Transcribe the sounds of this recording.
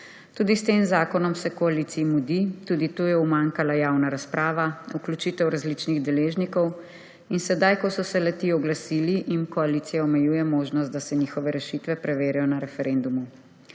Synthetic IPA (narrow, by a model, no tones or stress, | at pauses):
t̪uːd̪ist̪eːmzaːkɔnɔmsɛkɔaliːt̪siimud̪it̪uːd̪it̪oːjɛwmaŋkalajawnaɾaspɾʔaːʋauklut͡ʃiːt̪ɛwɾazlit͡ʃniɣd̪ɛleːʒnikɔw | insɛd̪ajkɔsɔsɛlɛt̪iɔɡlasiːliʔinkɔaliːt̪sijaɔmɛjuːjɛmoːʒnɔst̪d̪asɛnixɔʋɛɾɛʃit̪ʋɛpɾɛʋeːɾɛjɔnaɾɛfɛɾend̪umu